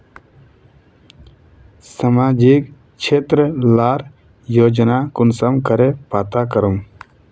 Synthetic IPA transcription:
səmaːd͡ʒik | t͡ʃʰeːt̪ɾəlaːɾ | joːd͡ʒnaːkʊnsəmkəɾepaːt̪akəɾum

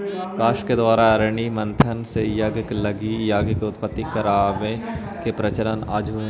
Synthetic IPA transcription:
kaːʃked̪ʋaːɾaɐɾɳ̃imɐ̃nt̪ʰənsejɐɡklɐɡijaːɡkeʊt̪pət̪ːikɐɾaːʋẽ | kepɾɐt͡ʃəɾəna̰ːd͡ʒu

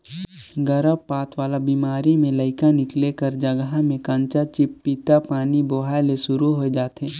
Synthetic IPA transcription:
ɡəɾəbpaːt̪ʰʋaːlabiːmaːɾimẽləɪkanɪklekəɾd͡ʒəɡɦamẽkãːɲt͡ʃat͡ʃɪpːiːt̪apaːniboɦaːjlesʊɾuɦoed͡ʒaːt̪eː

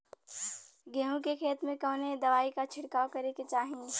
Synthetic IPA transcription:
ɡɛɦõkekʰeːt̪mẽkɔ̃ːned̪ɐʋaːikat͡ʃʰɪɽkaːokɐɾeket͡ʃaːɦĩ

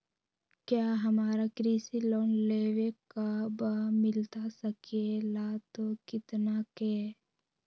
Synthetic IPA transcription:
kjaːɦəmaːɾakɾiːsiloːnleːwekabəmɪlt̪asəkelat̪okɪt̪nakeː

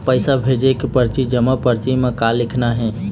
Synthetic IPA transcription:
pəɪsabʱed͡ʒekepəɾt͡ʃid͡ʒəmapəɾt͡ʃimːẽkalːɪkʰnaɦɛ̃

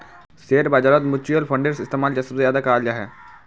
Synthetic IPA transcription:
seːɾbaːd͡ʒaːɾət̪mʊt͡ʃijəlfʰə̃ɳɖeɾsɪst̪eːmaːld͡ʒɐsəbsejaːd̪akaːljaɦɛː

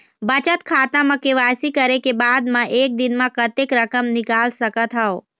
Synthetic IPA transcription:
bət͡ʃət̪kʰaːt̪ãmãkeʋaːsikəɾekebaːd̪mãʔeːk̚d̪ɪnmãkət̪ekɾəkəmnɪkaːlsəkət̪ɦao

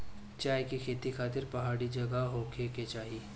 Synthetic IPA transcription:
t͡ʃaːjkekʰeːt̪ikʰaːt̪ɪɾpɐɦaːɽid͡ʒɐɡaɦoːkʰeːket͡ʃaːɦi

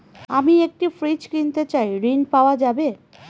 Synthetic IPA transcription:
amiek̚ʈifɾit͡ɕkint̪et͡ɕajɾinpaoad͡ʑabe

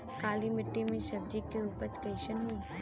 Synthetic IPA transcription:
kaːlimɪʈːimẽʃɐb̚d͡ʒ̪ikeuːpət͡ʃkɐjʃənɦui

